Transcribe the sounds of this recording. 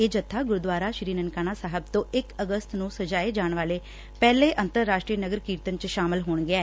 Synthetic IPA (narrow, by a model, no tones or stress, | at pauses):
eːd͡ʒət̪ʰːaːɡʊɾd̪ʋaːɾaːʃɾiːnənkaːnaːsaːɦəb̚t̪õːʔɪkəɡəst̪nũːsəd͡ʒaːeːd͡ʒaːɳʋaːleː | pɛːleːʔənt̪əɾːaːʃʈɾiːnəɡəɾkiːɾt̪ənt͡ʃʃaːmɪlɦoːɳɡɪɛː